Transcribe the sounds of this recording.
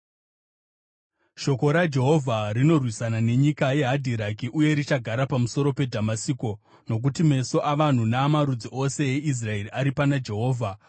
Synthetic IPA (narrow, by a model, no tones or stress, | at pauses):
ʃo̞ko̞ɾad͡ʒe̞ɦo̞vʱarino̞rwisanane̞ɲikaje̞ɦadʱiɾak̬iʔuje̞ɾit͡ʃaɡʱaɾapamuso̞ɾo̞pe̞dʱamasiːko̞ | no̞k̬utime̞so̞ʔaʋan̤unaːmaɾud͡ziʔo̞se̞ːis̬rae̞riʔaɾipanad͡ʒe̞ɦo̞ːvʱa